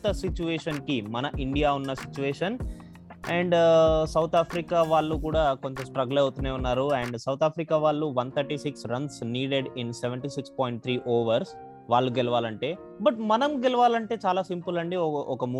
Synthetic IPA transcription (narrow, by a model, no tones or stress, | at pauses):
t̪ɐsit͡ʃuʋeːʂɐnkimɐnɐʔiɳɖijaːunːɐsit͡ʃuʋɛːʂɐn | ɛːɳɖsɐwt̪ʰaːpʰɾikaːʋaːɭːukuːɽaːko̞ɲt͡ʃɐsʈɾɐɡulewut̪uneːunːaːɾuɛɳɖsɐwt̪ʰaːpʰɾikaːʋaːɭːuʋɐnt̪ʰɐɾʈiːsiksɾɐnsniːɖeɖinseʋeɳʈiːsikspoːjiɳʈ̚t̪ʰɾiːʔoːʋɐɾs | ʋaːɭːuɡɛlɐʋaːlɐɳʈe̞ː | bɐʈmɐnɐmɡɛlɐʋaːlɐɳʈe̞ːt͡ʃaːlaːsimpulɐɳɖiɔʔɔkɐm